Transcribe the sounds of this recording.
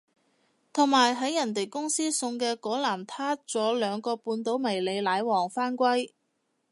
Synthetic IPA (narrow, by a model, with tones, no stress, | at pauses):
t̪ʰʊ˨˩ŋmaː˨˩jɦɐ˨˥jːɐ˨˩nt̪e˨jkʊ˥ŋsiː˥sʊ˧ŋkɛː˧kɔː˨˥laː˨˩mt̪ʰaː˥t͡sɔː˨˥lœː˨˧ŋkɔː˧puː˧nt̪o˨˥wmɐ˨˩jle˨˧jlaː˨˧˥jwɔː˨˩ŋfaː˥nkʷɐ˥j